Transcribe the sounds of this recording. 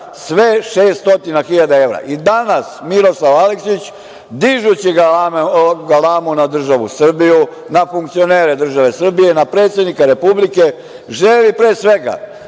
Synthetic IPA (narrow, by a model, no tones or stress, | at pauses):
sʋe̞ʃeːst̪o̞t̪inaxiʎad̪ae̞ʋɾa̰ʔid̪anasmiɾo̞slˠaʋaliksit͡ɕ | d̪iʒut͡ɕiɡa | ɡalaːmunad̪r̩ʒaʋusr̩biju | nafuŋkt̪sio̞ne̞ːɾed̪r̩ʒaʋe̞sr̩bijenapɾe̞ːt̪sje̞d̪nikaɾe̞publike̞ | ʒelipɾeːsʋe̞ɡa̰